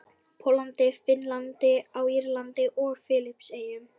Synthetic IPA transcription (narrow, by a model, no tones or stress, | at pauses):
pʰowlant̪ɪfɪnlant̪ɪawiɾlant̪ɪʔɔɣfɪːlɪpseːjʏm